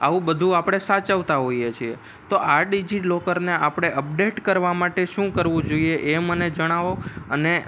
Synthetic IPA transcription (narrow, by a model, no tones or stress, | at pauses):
a̰ʋũbəd̪ʱũapɽ̃esat͡ʃaʋt̪aɦoijet͡ʃʰie | t̪oʔaɖid͡ʒilokəɾneʔapɽ̃eʔəp̚ɖeʈkəɾʋamaʈeʃũkəɾʋũd͡ʒoieʔeməned͡ʒəɽ̃aʋokəne